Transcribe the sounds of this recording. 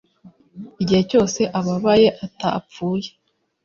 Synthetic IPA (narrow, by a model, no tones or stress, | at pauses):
iɟihe̞co̞ːse̞ʔaβaβaje̞ʔatap͡fuːje